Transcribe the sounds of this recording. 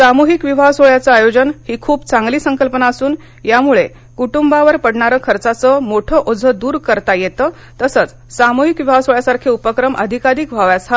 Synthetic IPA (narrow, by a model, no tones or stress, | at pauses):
samuɦikʋiʋʱasoɭjat͡saajod͡ʑənhiːkʰuːbt͡saŋɡliːsəŋkəlpənaəsuːn | jamuɭe | kuʈumbaʋəɾpəɽɳaɾəːkʰəɾt͡sat͡səmoʈʰəʔod͡zʱəd̪uːɾkəɾt̪ajet̪əː | t̪əsət͡s | samuɦikʋiʋasoɭjasaɾkʰeupəkɾəmʔə̰d̪ʱikaɾiːkʋʱaʋjasa